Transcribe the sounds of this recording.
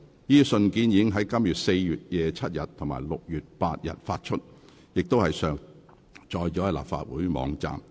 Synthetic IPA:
jiː˥sɵ˧nkiː˨˥njiː˨˧˥ŋɦɐ˨˥jkɐ˥mjyː˨t̚se˧jjyː˨t̚jɛː˨˧t͡sʰɐ˥t̚jɐ˨t̚t̪ʰʊ˨˩ŋma̰ː˨˩jlʊ˨k̚jyː˨t̚paː˧t̚jɐ̰˨t̚faː˧t̚t͡ʃʰɵ˥t̚ | jɪ˨k̚t̪o˥whɐ˨jsœː˨˩ŋ | t͡ʃɔː˨˧jt͡ʃɔː˨˥˨la̰ː˨p̚fa̰ː˧t̚wṵː˨˥jmɔ̰ː˨˧ŋt͡sa̰ː˨m

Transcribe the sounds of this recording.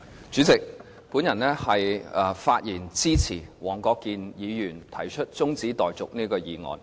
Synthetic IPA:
t͡ʃyː˨˥t͡sɪ˨k̚ | puː˨˥njɐ˨˩nɛː˥hɐ˨jɐ˨˧faː˧t̚jiː˨˩nt͡siː˥t͡sʰiː˨˩wɔː˨˩ŋkɔː˧kːiː˨˧njiː˨˧jyː˨˩nt̪ʰɐ˨˩jt͡ʃʰɵ˥t̚t͡sʊ˥ŋt͡siː˨˥t̪ɔː˨jt͡sʊ˨k̚niː˥kɔː˧jiː˨˧ŋɔ̰ː˨˧n

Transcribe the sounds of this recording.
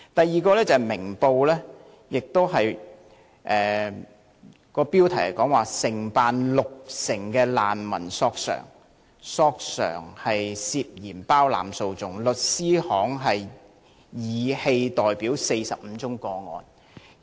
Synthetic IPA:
t̪ɐ˨jːiː˨˩kɔː˧lɛː˥t͡sɐ˨mɪ˨˩ŋpo˧wlɛː˥ | jɪ˨k̚t̪o˥wɦɐ˨j | ʔɛː˨ | kɔː˧piː˥wt̪ʰɐ˨˩hɐ˨˩kɔː˨˥ŋwaː˨sɪ˨˩ŋpaː˨nlʊ˨k̚sɪ˨˩ŋkɛː˧laː˨nmɐ̰˨˩nsɔː˧k̚sœ̰ː˨˩ŋ | sɔː˧k̚sœ̰ː˨˩ŋhɐ˨jsiː˧p̚jiː˨˩npaː˥wla̰ː˨mso˧wt͡sʊ˨ŋlɵ˨t̚siː˥hɔː˨˥ŋɦɐ˨j | jiː˨˧he˧jt̪ɔː˨jpiː˨˥wse˧jsɐ˨p̚m̩˨˧t͡sʊ˥ŋkɔː˧ŋɔ̰ː˨˧n

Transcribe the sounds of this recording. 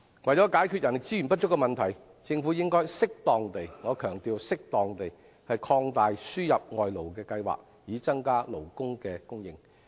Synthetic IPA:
wɐ˨jt͡sɔː˨˥kaː˨˥jkʰy˧t̚jɐ˨˩nlɪ˨k̚t͡siː˥y˨˩np̬ɐ˥t̚t͡ʃʊ˥kːɛ˧mɐ˨nt̪ʰɐ˨˩j | t͡sɪ˧ŋfuː˨˥jɪ˥ŋkɔː˥jsɪ˥k̚t̪ɔː˨ŋt̪e˨jŋɔː˨˧kʰœː˨˩ŋt̪iː˨wsɪ˥k̚t̪ɔː˨ŋt̪e˨j | hɐ˨jkʰɔː˧ŋt̪aː˨jsyː˥jɐ˨p̚ŋɔː˨jlo˨˩wkɛː˧kɐ˧jwa̰ː˨k̚ | jiː˨˧˥t͡sɐ˥ŋkaː˥lo˨˩wkʊ˥ŋkɛː˧kʊ˥ŋjɪ̰˨ŋ

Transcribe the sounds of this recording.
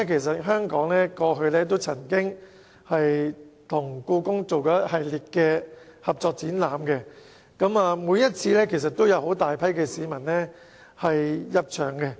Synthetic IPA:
kʰe˨˩js̬ɐ˨t̚ɦœː˥ŋkɔː˨˥ŋlɛː˥kɔː˧ɦɵ˧ɥlɛː˥t̪o˥wt͡sʰɐ˨˩ŋkɪ˥ŋ | hɐ˨jt̪ʰʊ˨˩ŋkuː˧kʊ˥ŋt͡so˨wkɔː˨˥hɐ˨jliː˨t̚kɛ˧hɐ˨p̚t͡sɔː˧k̚t͡siː˨˥nlaː˨mkɛ˧ | kɐ˨˥maː˨˧muː˨˧jɐ˥t̚t͡sʰiː˧lɛː˥kʰe˨˩s̬ɐ˨t̪ːo˥wjɐ˨˧who˨˥wt̪aː˨jpʰɐ˥jkɛː˧siː˨˧mɐ˨˩nlɛː˥ | hɐ˨jjɐ˧p̚t͡ʃʰœː˨˩ŋkɛ˧

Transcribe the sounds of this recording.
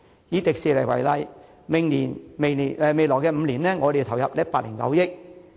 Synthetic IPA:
jiː˨˧t̪ɪ˨k̚siː˨lɐ˨˩wɐ̰˨˩jlɐ˧j | mɪ˨ŋliː˨˩nme˨˩jli˨˩ʔɛ˨˧me˨jlɔː˨˩jkɛː˧m̩˨˧liː˨˩nlɛː˥ŋɔː˨˧d̪e˨t̪ʰɐ˨˩wjɐ˨p̚j̚paː˧t̚lɪː˨˩ŋkɐ̰˨˧wjɪ˥k̚

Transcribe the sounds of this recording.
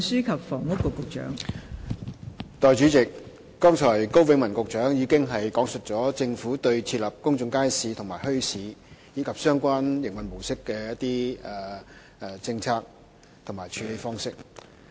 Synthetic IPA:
syː˥kʰɐ˨p̚fɔː˨˩ŋwʊ˥kːɔː˧kːʊ˨˧k̚t͡ʃœ̰ː˨˥ŋ | t̪ɔː˨jt͡ʃyː˨˥t͡sɪ˨k̚ː | ɔː˥ŋt͡ʃʰɔː˨˩jko˥wwɪ˨˧ŋmɐ˨˩nkʊ˨k̚t͡ʃœː˨˥ŋjiː˨˧kɪ˥ŋɦɐ˨jkɔː˨˥ŋsɵ˨t̚t͡sɔː˨˥t͡sɪ˧ŋfuː˨˥t̪ɵ˧ɥt͡sʰiː˧t̚lɐ˨p̚kʊ˥ŋt͡sʊ˧ŋkaː˥jsiː˨˧t̪ʰʊ˨˩ŋmaː˨˩jhɵ˥ɥsiː˨˥jiː˨˥kʰɐ˨p̚sœː˥ŋkʷaː˥njɪ˨˩ŋwɐ˨nmo˨˩wsɪ˥kːɛː˧jɐ˥t̚t̪iː˥ɛː˨ | ʔɛ˨˧t͡sɪ˧ŋt͡sʰaː˧k̚ | t̪ʰʊ˨˩ŋmaː˨˩jt͡ʃʰy˨˧le˨˧jfɔː˥ŋsɪ˥k̚

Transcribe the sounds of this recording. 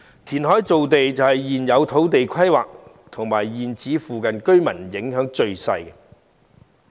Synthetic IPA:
t̪ʰiː˨˩nɦɔː˨˥jt͡so˨wt̪e˨jt͡sɐ˨whɐ˨jːiː˨˩njɐ˨˧wt̪ʰo˨˥wt̪̬e˨jkʷʰɐ˥jwa̰ː˨k̚ | t̪ʰʊ˨˩ŋmaː˨˩jːiː˨nt͡siː˨˥fuː˨kɐ˨nkɵ˥ɥmɐ˨˩njɪ˨˥ŋɦœː˨˥ŋt͡ʃɵ˨˧ɥsɐ̰˧jɛ

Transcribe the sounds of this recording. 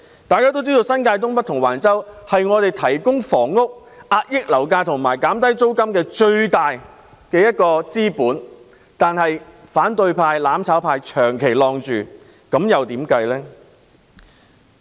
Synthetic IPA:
t̪aː˨jkaː˥t̪o˥wt͡siː˥t̪o˧wsɐ˥nkaː˧jt̪̬ʊ˥ŋpɐ˥t̪ʰʊ˨˩ŋwaː˨˩nt͡sɐ˥whɐ˨jŋɔː˨˧t̪e˨jt̪ʰɐ˨˩jkʊ˥ŋfɔː˨˩ŋːʊ˥k̚ | ʔaː˧t̚jɪ˥k̚lɐ˨˩wkaː˧jt̪ʰʊ˨˩ŋmaː˨˩jkaː˨˥mt̪ɐ˥jt͡so˥wkɐ˥mkɛː˧t͡ʃɵ˧ɥt̪aː˨j | kɛː˧jɐ˥t̚kɔː˧t͡siː˥puː˨˥n | t̪aː˨nhɐ˨jfaː˨˥nt̪ɵ˧ɥpʰaː˧jlaː˨˥mt͡sʰaː˨˥wpʰaː˧jt͡ʃʰœː˨˩ŋkʰe˨˩jlɔː˧ŋt͡ʃyː˨˩ | kɐ˨˥mjɐ˨wt̪iː˨˥mkɐ˧jlɛː˥

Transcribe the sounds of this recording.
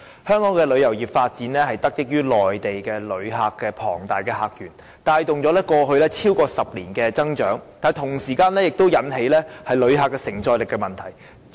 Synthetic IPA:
hœː˥ŋkɔː˨˥ŋkɛː˧lɵ˨˧ɥjɐ˨˩wjiː˨˩p̚faː˧t̚t͡siː˨˥nlɛː˥hɐ˨jt̪ɐ˥k̚jɪ˥k̚jyː˥lɔː˨jt̪e˨jkɛː˧lɵ˨˧ɥɦaː˧kːɛː˧pʰɔ̰ː˨˩ŋt̪aː˨jkɛː˧ɦaː˧k̚jyː˨˩n | t̪aː˧jt̪ʊ˨ŋt͡sɔ˨˧˥lɛː˥kɔː˧ɦɵ˧ɥlɛː˥t͡sʰiː˥wkɔː˧sɐ˨p̚liː˨˩nkɛː˧t͡sɐ˥ŋt͡ʃœː˨˥ŋt̪aː˨t̪ʰʊ˨˩ŋsiː˨˩kaː˧nlɛː˥jɪ˨k̚t̪o˥wjɐ˨˥nɦe˨˥jlɛː˥hɐ˨jlɵ˨˧ɥɦaː˧kːɛː˧sɪ˨˩ŋt͡sɔː˧jlɪ˨kːɛ˧mɐ˨nt̪ʰɐ˨˩j

